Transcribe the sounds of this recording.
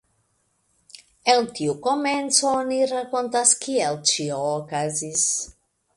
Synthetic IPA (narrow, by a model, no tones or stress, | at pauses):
elt̪iukoment͡sooniɾakont̪askielt͡ʃioːkazis